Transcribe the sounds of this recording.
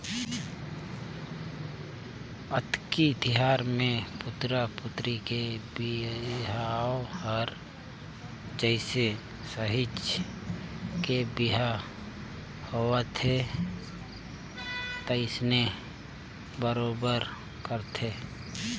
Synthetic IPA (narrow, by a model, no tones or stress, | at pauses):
ət̪kit̪ɪɦaːɾmẽpʊt̪ɾapʊt̪ɾikebɪɦaohɔɾ | d͡ʒəɪse | səɦɪt͡ʃ | kebɪɦa | hoət̪ʰe | t̪əɪsne | bəɾoːbəɾ | kəɾt̪ʰeː